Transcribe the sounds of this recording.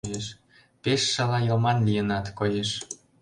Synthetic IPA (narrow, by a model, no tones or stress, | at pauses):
jeʃ | peʃːɑlɑjə̆lmɑnlʲijənɑt̪kojeʃ